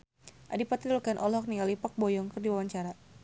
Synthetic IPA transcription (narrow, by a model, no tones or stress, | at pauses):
ʔadipat̪dulkanʔɔlɔk̚nialipɔk̚bɔjɔŋkɨrdiwawaɲt͡ʃaɾa